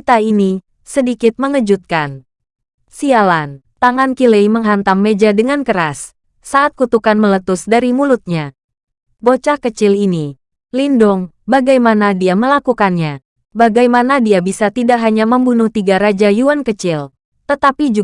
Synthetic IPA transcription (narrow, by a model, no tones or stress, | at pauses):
it̪aini | sədikɪt̪̚məŋəd͡ʒut̪̚kan | sialant̪aŋankilejməŋɦant̪amːed͡ʒadəŋankəɾasː | aːt̪̚kut̪ukanmələt̪ʊsdaɾimulʊt̪̚ɲa | bot͡ʃahkət͡ʃɪlini | lindʊŋ | baɡajmanadiaməlakukanɲa | baɡajmanadiabisat̪idaʔɦaɲaməmbunʊht̪iɡaɾad͡ʒajuankət͡ʃɪl | t̪ət̪apid͡ʒu